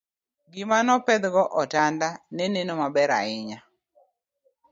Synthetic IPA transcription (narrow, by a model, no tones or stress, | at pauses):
ɡɪmanɔpɛd̪ɡɔʔɔtandanenenomabɛɾa̰ɪɲa